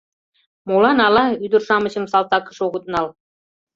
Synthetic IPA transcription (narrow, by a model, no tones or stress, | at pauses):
mulɑnɑlɑyd̪ə̆rʃɑmɤ̆ɕə̆msɑlt̪ɑkɤ̥̆ʂoɣut̪̚nɑl